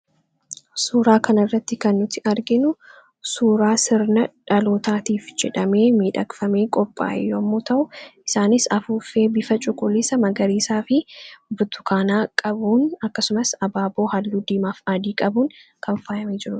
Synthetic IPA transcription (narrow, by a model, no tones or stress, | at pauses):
suːɾaːkɐnɐrːɐt̪ːɪkɐnːʊt̪ɪʔɐɾɡɪnʊ | suːɾaːsɪɾnɐᶑɐlo̞ːt̪aːt̪iːfd͡ʒɛᶑɐme̞ːmeːᶑɐkfɐmeːkʼɔpʼːa̰ːʔɛ̰jːoːɐmːoːt̪ɐʔʊɪsaːnɪsɐfuːfeːbɪfɐt͡ʃʼʊkʼʊlɪsɐmɐɡɐɾiːsaːfɪbʊt̪ʰʊ̥kʰaːnaːkʼɐbuːnɐkːɐsʊmɐsɐbaːbo̞ːhɐlːuːd̪iːmaːfaːd̪iːkʼɐbuːnkʰɐɱfaːjɐmeːd͡ʒɪɾʊ